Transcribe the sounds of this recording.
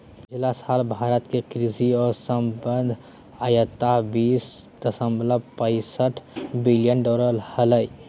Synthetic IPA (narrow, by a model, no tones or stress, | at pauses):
d͡ʒɪlasaːlbʱaːɾət̪kekɾiziɔːɾsəmbənd̪ʱ | ajət̪abiːs | d̪əsəmbləbpə̃ɪsəʈʰbilijənɖɔːɾəlhələi